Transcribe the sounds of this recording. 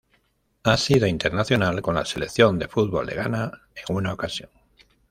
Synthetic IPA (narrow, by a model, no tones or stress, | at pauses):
asiðoint̪e̞ɾnaθjo̞nalko̞nla̰se̞le̞kθjo̞nd̪e̞fud̪̚βo̞̰lːe̞̰ɣana | e̞ŋunaokasjo̞ŋ